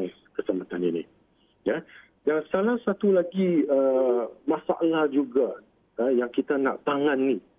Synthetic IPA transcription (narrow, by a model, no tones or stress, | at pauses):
kəsamat̪aninḭ | ja | d͡ʒaŋsalahsat̪ulaɡiəmãsa̰ʔlahd͡ʒuɡa | ajaŋkit̪anãʔt̪aŋãnːi